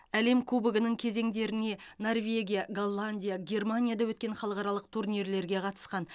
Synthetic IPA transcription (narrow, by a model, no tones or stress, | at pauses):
æle̞mkʰubəɡənəŋkʲʰe̞ze̞ŋd̪e̞ɾɪne̞no̞rvʲe̞ɡʲijaɡolˠːanʲd̪ʲijaɡʲe̞rmanʲijad̪ɑwɵt̪kʲe̞nχɑlˠəʁqɑɾɑlˠəq̚t̪ʰurnijɾle̞ɾɡʲe̞qʰɑt̪ə̥sqɑn